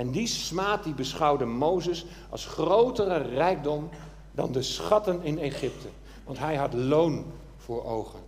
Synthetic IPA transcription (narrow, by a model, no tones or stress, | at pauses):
ɛndismaːt̚dibəsχɑwdəmowzəs | ɑ̰lˠsχrowtərərɛjk̚dɔm | dɑ̰ndəsχɑtənɪneχɪp̚tʰə | ʋɑntɦɛjɦɑtlown | v̥ʊːɹowχən